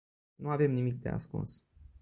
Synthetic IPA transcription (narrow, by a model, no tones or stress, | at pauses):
nuave̞mnimik̚d̪e̞̰a̰skṵns